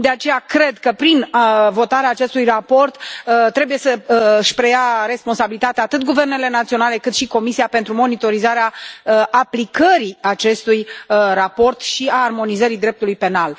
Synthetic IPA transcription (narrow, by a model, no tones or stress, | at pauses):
d̪e̞at͡ʃe̞jakɾe̞d̪kəpɾinvo̞t̪aɾeaːt͡ʃe̞st̪ujrapo̞rt̪t̪ːɾe̞buje̞səʃpɾe̞jaɾe̞spo̞nsabilit̪at̪eat̪ɨt̪̚ɡuve̞rne̞le̞nat̪sio̞nale̞kɨt̪ʃiko̞misiapent̪ɾumo̞nit̪o̞ɾizaɾeaʔaplikəɾiat͡ʃe̞st̪ujrapo̞rt̪ʃiaːrmo̞nizəɾid̪ɾe̞p̚t̪ulujpe̞nal